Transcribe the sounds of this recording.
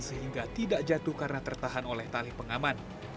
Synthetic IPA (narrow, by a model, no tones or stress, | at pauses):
nsəɦiŋɡat̪idaʔd͡ʒat̪uhkarnat̪ərt̪aɦanolɛht̪alɪhpəŋaman